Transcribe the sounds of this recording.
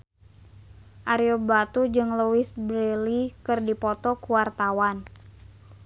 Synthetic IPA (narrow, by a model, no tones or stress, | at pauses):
ʔaɾiobat̪ud͡ʒɨŋluwisbɾelikɨrdipɔt̪ɔkuwart̪awan